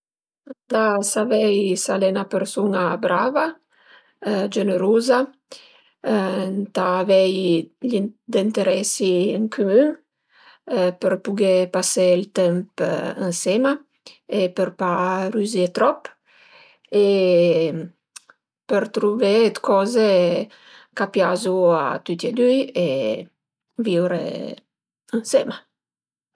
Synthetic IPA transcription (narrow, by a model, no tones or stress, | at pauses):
nd̪asavɛjsalenapəɾsunabɾava | d͡ʒenəɾuza | nt̪aːvɛjlid̪int̪eɾɛsiəŋkʰymyŋ | pəɾpuɡepaseilt̪ɛmpənsɛma | epəɾpaɾyzet̪ɾɔp | e | pəɾt̪ɾuvɛd̪kɔze | kapjazua̰t̪yt̪jɛd̪yje | viwɾḛ | ənsɛma